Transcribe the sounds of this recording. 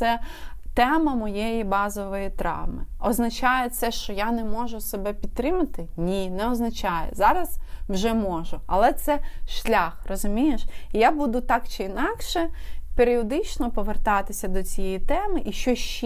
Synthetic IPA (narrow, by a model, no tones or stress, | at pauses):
sɛ | t̪ɛmɐmɔjejibɑzɔʋɔjit̪ɾɑ̰ʋmɪɔznɐt͡ʃɑjɛt̪sɛʃt͡ʃɔjanɛmɔʒʊsebɛpʲid̪t̪̚t̪ːɾɪmɐt̪ɪnʲinɛɔznɐt͡ʃɑjɛ̰zɑɾɐzwʒɛmɔʒʊɐ̰lˠɛt̪sɛʃlʲaxrɔzʊmʲijeʃijabud̪ʊt̪ɑkt͡ʃɪinɑkʃɛpeɾʲiɔd̪ɪt͡ʃnɔpɔʋert̪ɑt̪ɪsʲɐd̪ɔt͡sʲijɛjit̪ɛmɪʔiʃt͡ʃɔʃ